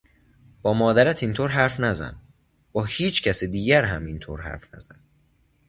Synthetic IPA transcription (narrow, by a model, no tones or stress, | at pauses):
b̥ɒːmɒːd̪æɾæt̪ʰint̪ʰoːɾɦæɾfnæzæ̰n | b̥ɒːhiːt͡ʃʰcʰæsed̪iːɟæɾɦæmint̪ʰo̰ːɾhæ̰ɾfnæ̰z̥æn